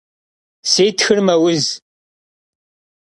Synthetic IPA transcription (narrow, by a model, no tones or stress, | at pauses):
sijt̪ːçəɾmæwəz